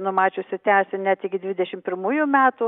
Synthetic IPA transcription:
nʊmɑːt͡ʃʲoːsʲʊt̪ʲæːsʲɪnʲɛt̪ɪɡʲɪd̪ʲʋʲɪd̪ʲɛʃʲɪmpʲɪɾmuːjʊmʲæːt̪ʊ

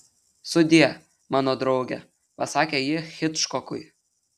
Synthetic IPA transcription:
sʊd̪ʲiɛ | mɑːnɔd̪ɾɔʊɡʲɛ | pɐsɑːkʲejɪxʲɪt̪ʃkɔkʊj

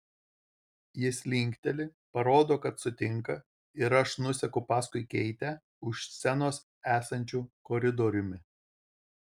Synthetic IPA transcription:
jɪsʲlʲɪŋʲkʲt̪ʲɛlʲɪpɐɾoːd̪oːkɐt̪sʊt̪ʲɪŋˑkɐ | ɪɾɐʃnʊsʲɛkʊpɑːskʊɪkʲɛɪt̪ʲɛ | ʊʃsʲɛnoːs | æːsɐnʲt͡ʃʲuːkɔːɾʲɪd̪ɔɾʲʊmʲɪ

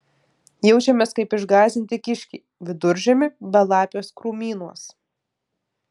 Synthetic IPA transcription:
jɛʊt͡ʃʲɛmʲeːskɐɪpɪʒɡɑːzʲɪnʲt̪ʲɪkʲɪʃʲkʲiː | ʋʲɪd̪ʊɾʲʒʲɛmʲɪbɐlˠɑːpʲjoːskɾuːmʲiːnuɔs

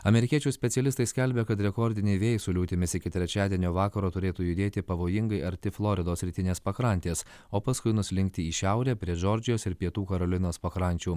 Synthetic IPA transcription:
ɐmʲɛɾʲɪkʲiɛt͡ʃʲuːsʲpʲɛt̪sʲiɛlʲɪst̪ɐɪsʲkʲɛlʲbʲekɐt̪ɾʲɛkɔɾʲd̪ʲɪnʲɛɪʋʲeːjsʊlʲuːt̪ʲɪmʲɪsɪkʲɪt̪ʲɾʲɛt͡ʃʲæːd̪ʲiɛnʲoːʋɑːkɐɾoːt̪ʊɾʲeːt̪uːjʊd̪ʲeːt̪ʲɪpɐʋoːjɪŋɡɐɪɐɾʲt̪ʲɪflˠɔːɾʲɪd̪oːsʲɾʲɪt̪ʲɪnʲeːspɐkɾɐnʲt̪ʲeːs | oːpɐskʊɪnʊsʲɪlʲɪŋk̚t̪ʲɪiːʃʲæʊɾʲæːpʲɾʲiɛʒɔɾʲd͡ʒʲɪjoːsɪɾpʲiɛt̪uːkɐɾɐlʲɪnoːspɐkɾɐnʲt͡ʃʲuː

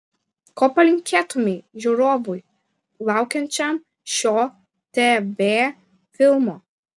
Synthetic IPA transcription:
kɔpɐlĩŋkʰʲɛt̪umiʒoɾɔvuj | wawkɛnt͡ʃam | ʃɔ | t̪eve | filmɔ

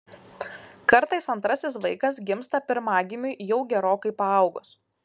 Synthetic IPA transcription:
kɐɾt̪ɐɪsɐnt̪ɾɐsʲɪsʋɐɪkɐs̬ɡʲɪmst̪ɐpʲɪɾmɑːɡʲɪmʲujɛʊɡʲɛɾoːkɐɪpɐɐˑʊɡʊs

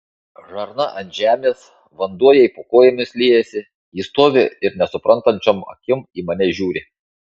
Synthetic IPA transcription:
ʒɐɾnɐʔɐnt̪ʲʒʲæːmʲeːs | ʋɐnd̪uɔjɛipokoːjɛmʲɪslʲiːjɛsʲɪ | iːst̪oːʋʲɪɪɾnʲɛsʊpɾɐnt̪ɐnʲt͡ʃʲɔmɐ̰kʲɪmiːmɐnʲɛʒʲuːɾʲɪ

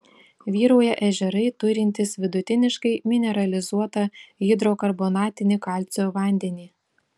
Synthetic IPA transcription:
ʋʲiːɾoːjɛʔɛʒʲɛɾɐɪt̪ʊɾʲɪnʲt̪ʲɪsʋʲɪd̪ʊt̪ʲɪnʲɪʃkɐɪmʲɪnʲɛɾɐlʲɪzuɔt̪ɐjɪd̪ɾoːkɐɾboːnɑːt̪ʲɪnʲɪkɑˑlʲt̪sʲoːʋɐˑnʲd̪ʲɛnʲiː

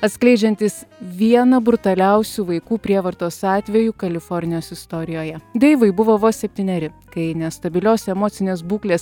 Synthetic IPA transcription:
ɐt̪ʲsʲklʲɛɪd͡ʒʲɛnʲt̪ʲɪsʋʲiɛnɐbɾʊt̪ɐlʲɛʊsʲuːʋɐɪkuːpʲɾʲiɛʋɐɾt̪oːsɑːt̪ʲʋʲɛjuːkɐlʲɪfɔɾʲnʲɪjoːsɪst̪ɔɾʲɪjoːjɛd̪ʲeːʋɐɪbʊʋoʋoːsʲɛpʲt̪ʲiːnʲɛɾʲɪkɐɪnʲɛst̪ɐbʲɪlʲoːsɛmoːt̪sʲɪnʲeːsbuːklʲeːs

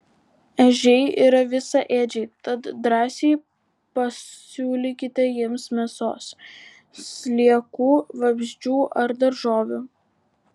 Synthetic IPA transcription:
ɛʒʲɛɪḭːɾɐʋʲɪsɑʔeːd͡ʒʲɛɪt̪ɐt̪d̪ɾɑːsʲeɪ | pɐssʲuːlʲɪkʲɪt̪ʲɛjiɛmsmʲɛso̰ːs | sʲlʲiɛkuːʋɐbʲʒʲd͡ʒʲuːʔɐɾd̪ɐɾʒoːʋʲuː

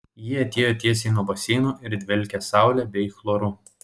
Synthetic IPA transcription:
jɪɐt̪ʲeːjoːt̪ʲiɛsʲenuɔbɐsʲiːnuːʔɪɾd̪ʲʋʲɛlʲkʲɛsɑˑʊlʲɛbʲɛɪxlˠoɾuː

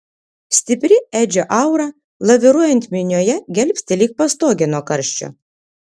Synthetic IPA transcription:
sʲt̪ʲɪpʲɾʲɪæːd͡ʒʲoʔɐˑʊɾɐ | lˠɐʋʲɪɾuɔjɛnʲt̪ʲmʲɪnʲoːjɛɡʲɛlʲpʲsʲt̪ʲɪlʲiːk̚pɐst̪oːɡʲɛnoːkɐɾʲʃʲt͡ʃʲʊ̰

